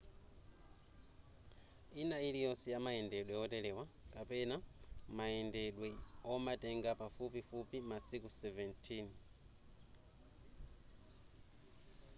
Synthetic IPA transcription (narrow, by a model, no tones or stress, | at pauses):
inailijɔsɛjamaɛndɛɗwɛɔtɛlɛwakapɛnamaɛndɛɗwɛɔmatɛŋɡapafupifupimasikusɛvɛntʰin